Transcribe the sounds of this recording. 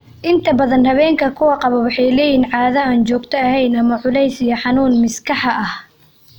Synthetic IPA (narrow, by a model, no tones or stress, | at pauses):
ʔɪnt̪ʰɐbɐðɐnhɐβɛːŋkʰɐkʰʊwɑqɑβɐwɑħɑjlɛːjiːnʕɑːðɐaːnt͡ʃɔːɡt̪ʰɔɐhɛjnɐmɐʕʊlɛjsijɐħɑnuːnmɪskʰɑħɐʔɐh